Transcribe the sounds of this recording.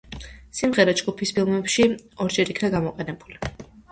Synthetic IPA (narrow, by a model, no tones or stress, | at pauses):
simʁɛɾad͡ʒɡupʰispʰilˠmɛpʃiɔɾd͡ʒɛɾikʰnaɡamɔqʼɛnɛbuli